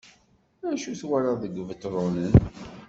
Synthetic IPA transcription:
æʃuθwaɾaðəɡvət̪ːɾˤonən

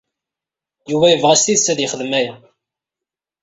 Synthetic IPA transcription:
juvæjəvʁæst̪iðsæðjəχəðmæjæ

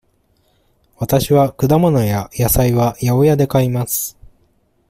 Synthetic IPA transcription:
βat̪aɕiβakɯ̟d̪amono̞jajasaiβajaojad̪e̞kaimasɨ̥

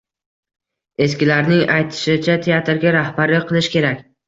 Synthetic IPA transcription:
e̞s̬kʲɪlaɾnɪŋajt̪ʰɪ̥ʃɪt͡ʃʰat̪ʰeat̪ɾɡʲaɾahbaɾlɪqʰɨlˠɪʃkʲe̞ɾakʲ

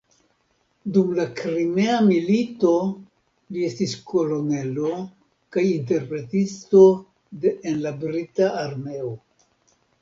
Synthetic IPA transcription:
dumlakɾime̞amilito̞ | lie̞stisko̞lo̞ne̞lo̞ | kajinte̞ɾpɾe̞tisto̞ | dːnlabɾitaːɾme̞o

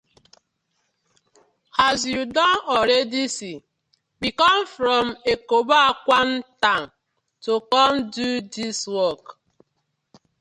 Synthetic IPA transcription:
hazjudɔnɔɾedisi | bikɔmfɾɔm̩ekobaakʷan̩taŋ | tokɔmdudiswɔk

